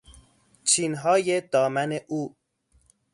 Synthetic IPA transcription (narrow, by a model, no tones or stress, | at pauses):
t͡ʃʰiːnɦɒːje̞d̪ɒːmæne̞ʔuː